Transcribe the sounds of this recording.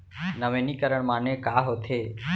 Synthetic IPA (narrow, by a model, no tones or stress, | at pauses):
nəʋẽːniːkəɾəɳmãːnẽːkaːɦoːt̪ʰeː